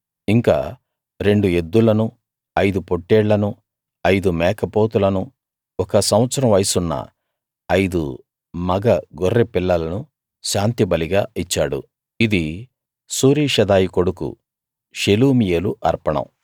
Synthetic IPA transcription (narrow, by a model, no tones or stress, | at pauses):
iŋka̰ː | ɾe̞ɳɖue̞d̪ːulɐnu | ɐjd̪upo̞ʈːeːɭlɐnu | ɐjd̪umɛːkɐpo̞ːt̪ulɐnu | ɔkɐsɐmʋɐt̪sɐɾɐmʋɐjsunːɐ̰ | ɐjd̪ṵ | mɐɡɐɡorːepilːɐlɐnu | ʃaːnt̪ibɐliɡaːit͡ʃːaːɽṵ | id̪i | suːɾiːʂɐd̪aːjiko̞ɽukṵ | ʃeluːmijeːluʔɐɾpɐɳɐ̰m